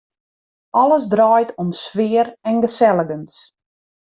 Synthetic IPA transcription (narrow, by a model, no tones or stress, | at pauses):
ʔɔləsdrɔːjtʰɔmsʋɪəɾɛnɡəsɛləɡəns